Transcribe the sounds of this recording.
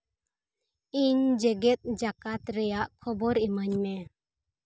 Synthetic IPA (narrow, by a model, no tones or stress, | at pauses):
iɲd͡ʒɛɡɛt̪̚ˀd͡ʒakat̪ɾɛjaʔkʰɔbɔɾimaɲnɛ